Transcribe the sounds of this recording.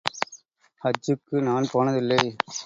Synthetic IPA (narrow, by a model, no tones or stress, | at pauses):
ɐd͡ʒːɯkːɯnaːnpoːnɐðɪlːɐɪ